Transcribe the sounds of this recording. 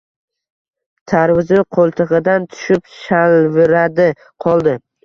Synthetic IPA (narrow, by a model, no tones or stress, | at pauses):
t̪ʰaɾwɪznɪqʰolˠt̪ʰɨʁɨd̪ant̪ʰʊ̥ʃɪpʃalvɪɾad̪ɪ | qʰɒlˠd̪ɪ